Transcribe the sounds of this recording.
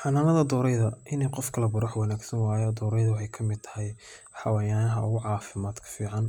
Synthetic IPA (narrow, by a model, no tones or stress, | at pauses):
ħɑnaːnɐðɐd̪ɔːɾɛjðɐʔɪnɛjqɔfkʰɐlɐbʊɾʊħwɐnaːɡsɐnwaːjɔːd̪ɔːɾɛjðʊwɑħɑjkʰɐmɪd̪t̪ʰɐ̥ɦɛj | ħɑwaːjaːnɐɦɐʔʊɣʊʕɑːfɪmaːd̪kʰɐ̥fiːʕɑn